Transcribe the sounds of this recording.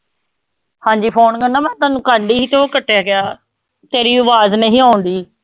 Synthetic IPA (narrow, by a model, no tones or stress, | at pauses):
hãːɲd͡ʒiːpʰoːnkəɳːãːmɛ̃ːt̪aːnũːkãːɳɖiːɦiːt̪ʰoːkəʈːejaːɡɪjaː | t̪eːɾiːʊʋaːznəɦĩːaːʊ̃nd̪iː